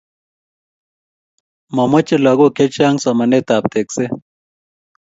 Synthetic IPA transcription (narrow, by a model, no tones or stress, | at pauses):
mɐmɐt͡ʃelɐɡokʰet͡ʃaːŋsɐmɐnet̪aːp̚t̪ekse